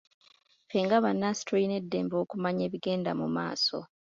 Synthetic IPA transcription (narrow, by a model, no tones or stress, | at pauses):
fe̞ŋɡaβanːasi̥tɾoine̞dːe̞ːmbo̞ːkumaɲe̞ːβiɡe̞ːnda̰muma̰ːso̞̰